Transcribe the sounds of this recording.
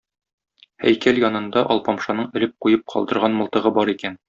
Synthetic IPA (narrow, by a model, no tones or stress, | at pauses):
hæ̰jkæljɒnɤ̆nd̪ɑʔɒlˠpɒmʃɑnɤɴɘ̆lɘp̚qujɤp̚qʰɒ̰lˠd̪ɤ̆ɾʁɑnmŏlˠt̪ɤ̆ʁɤbɒɾikæn